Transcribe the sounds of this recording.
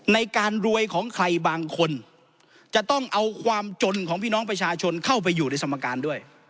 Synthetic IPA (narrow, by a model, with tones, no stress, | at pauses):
na˧jkaː˧nɾu˧əjkʰɔː˩˦ŋkʰɾa˧jbaː˧ŋkʰo˧n | t͡ɕa˨˩t̪ɔ˥˩ŋʔa˧wkʰwaː˧mt͡ɕo˧nkʰɔː˩˦ŋpʰiː˥˩nɔː˦˥ŋp̬ɾa˧t͡ɕʰaː˧t͡ɕʰo˧nkʰa˥˩wp̬a˧jːuː˨˩na˧jt̪ʰa˧mːa˧kaː˧ndu˥˩əj